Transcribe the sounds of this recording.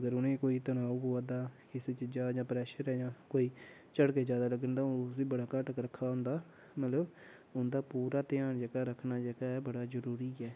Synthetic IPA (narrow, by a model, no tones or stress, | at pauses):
əɡəɾʊnẽːkoːiːt̪ənaːuboaːd̪aːkɪset͡ʃəd͡ʒaːd͡ʒãːpɾɛːʃəɾɛːd͡ʒãːkoːiː | t͡ʃəɽkeːd͡ʒjaːd̪aːləɡənd̪aːsiːbəɽaːkəʈkɾəkʰːaːɦʊ̃nd̪aː | mət̪ləb | ʊnd̪aːpuːɾaːt̪ɪjaːnd͡ʒɛːɡaːɾəkʰnaːd͡ʒɛːɡaːɛːbəɽaːzəɾuːɾiːɛː